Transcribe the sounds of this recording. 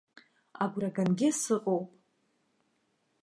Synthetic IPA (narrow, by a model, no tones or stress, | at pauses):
aɡʷraɡanɡʲɪsɨqʼowpʼ